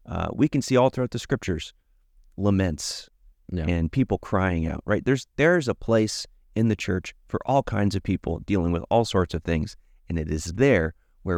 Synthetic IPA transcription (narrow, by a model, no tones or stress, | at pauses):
ʌ̰wikɨ̃n̩siɔlˠθɹʉaʊt̪̚ðɨskɹɪp̚t͡ʃə˞z̥ | ləmɛ̃nts | ɨ̃npʰipl̩ˠkʰɹ̥aɪɪ̃ŋa̰ʊʔ̚ɹʔaɪt̪̚ðə˞zðə˞ɨzəpʰl̥eɪs | ɨ̃nðɨt͡ʃʰɜ˞t͡ʃfə̰˞ʔɔlˠkʰãɪ̃ndzʌv̥pʰipl̩ˠd̥ilˠɪ̃ŋwəðɔlˠsɔɹtsʌv̥θɪ̃ŋz̥ | ɨ̃nɨɾɪzðə˞ | wə˞